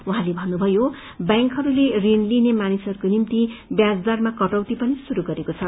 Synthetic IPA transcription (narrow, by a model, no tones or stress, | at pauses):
uɦãlebʱʌnːubʱʌjo | bjaŋkɦʌɾulerenlinemanisʌɾukonimt̪ibjad͡zd̪armakʌʈʌwt̪ipʌnisuɾuɡʌɾekot͡sʰʌ